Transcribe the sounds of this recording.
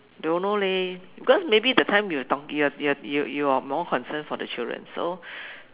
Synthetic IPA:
dõnolebikɔsmebiɛdətʰãɪ̃mjutɔkjuajujujuamɔkʰɔ̃nsə̃nfɔdət͡ʃildɹə̰̃nso̰

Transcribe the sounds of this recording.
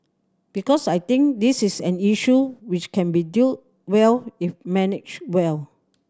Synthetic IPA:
b̥ikɔsajt̪ĩŋkdisisɛ̃niʃuwit͡ʃkʰɛ̃nbidit̚ | wɛlifmɛnɪt͡ʃwɛl

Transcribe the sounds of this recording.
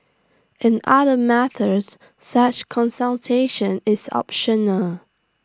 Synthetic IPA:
ʔɨ̃nʌðəmæθə˞z̥ | sʌt͡ʃkʰə̃nsəlˠtʰeɪʃə̃nɪzɑ̰pʃənəlˠ

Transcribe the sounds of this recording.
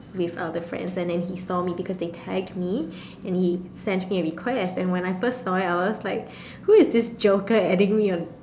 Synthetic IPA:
wɪða̰dəfɹɛ̰̃ndsɛ̃ndɛ̃nɦisɔmibikʰɔsdetʰɛɡ̚dmi | ɛ̃nhisɛ̃ntmiəɹikʰwɛstɛ̃nwɛ̃naɪfəstsɔɪtaɪwɔslaɪk̚ | huɪzdɪsd͡ʒoʊkəɛdɪ̃ŋmiɔ̃n

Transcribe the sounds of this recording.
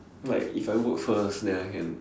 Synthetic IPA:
laɪkifaɪwukfəsdɛ̃aɪkɛ̃n

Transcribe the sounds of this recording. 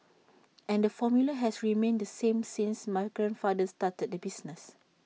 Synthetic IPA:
ʔɛ̃ndəfɔmjuləɦɛsɹimẽndəsẽmsĩnsmaɪɡɹɛ̃nfadəstatət̚dəbisnəs

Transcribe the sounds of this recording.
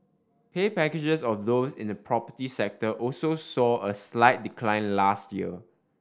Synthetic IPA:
pʰepɛked͡ʒəsɔfdosɪ̃ndəpʰɹɔpətisɛk̚təʔɔlsosɔəslaɪt̚dikʰlãɪ̃nlastjiə

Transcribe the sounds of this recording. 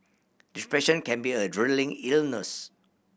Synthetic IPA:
d̥ispɹɛʃə̃nkɛ̃nbiədɹilĩŋilnəs

